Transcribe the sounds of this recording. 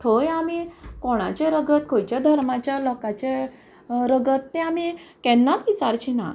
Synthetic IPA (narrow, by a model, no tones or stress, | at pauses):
t̪ʰojamikɔɽ̃a̰t͡ɕeɾəɡət̪̚kʰojt͡ɕad̪ʱəɾmat͡ɕjalɔkat͡ɕe | ɾəɡət̪ːɛ̃amikɛ̃nːat̪ʋit͡saɾt͡ɕina̰